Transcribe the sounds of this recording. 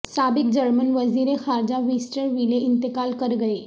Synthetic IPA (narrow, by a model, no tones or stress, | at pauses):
sabik̚d͡ʑəɾmənʋəziɾexaɾd͡ʑaʋisʈəɾʋileint̪əkalkəɾɡəe